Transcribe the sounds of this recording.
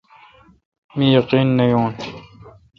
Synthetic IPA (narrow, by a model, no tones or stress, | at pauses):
mijɑqiːnːɐjoːn